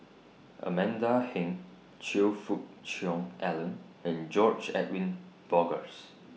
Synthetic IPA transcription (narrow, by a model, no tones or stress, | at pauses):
ʔə̰mɛ̃ndahɪ̃ŋ | t͡ʃilfut̚t͡ʃɔ̃ŋʔɛlə̃n | ɛ̃nd͡ʒɔd͡ʒɛ̰twĩnb̥ɔɡəs